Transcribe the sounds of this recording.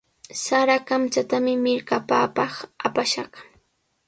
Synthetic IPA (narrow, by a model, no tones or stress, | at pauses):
saɾakamt͡ʃat̪amɪmɪɾkapaːpɑχapaʃɑχ